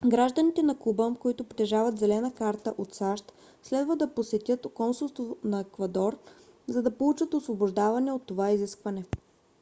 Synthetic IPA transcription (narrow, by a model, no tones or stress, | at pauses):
ɡɾaʒd̪ənit̪ɛnɐkubəkoit̪ʊpt̪ɛʒavɐt̪zɛlɛnəkaɾt̪əʔot̪saʃt̪ | slɛd̪vəd̪ɐposɛt̪ʲjət̪kɔnsulˠst̪vonɐɛkvɐd̪ɔɾ | zɐd̪ɐpolˠut͡ʃət̪osvoboʒd̪avɐnɛot̪ːovaiziskvɐnɛ